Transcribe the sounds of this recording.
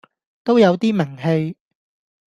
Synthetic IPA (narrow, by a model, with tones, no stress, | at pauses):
t̪o˥wjɐ˨˧wt̪iː˥mɪ˨˩ŋɦe˧j